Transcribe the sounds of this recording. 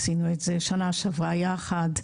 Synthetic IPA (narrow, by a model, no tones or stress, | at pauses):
sinuetzeʃanaʃavajaχad